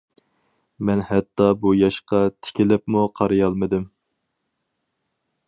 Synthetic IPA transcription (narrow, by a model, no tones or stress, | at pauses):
mɛnhɛt̪ːɑbujɑʃqɑt̪ʰɪ̥kʲɪlɪpmuqʰɑɾɨjɑlˠmɨd̪ɪm